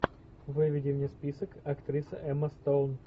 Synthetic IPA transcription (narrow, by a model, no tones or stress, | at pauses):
vɨvʲɪdʲɪvnʲɪspʲisəkɐkt̪ɾʲisəʔɛməst̪own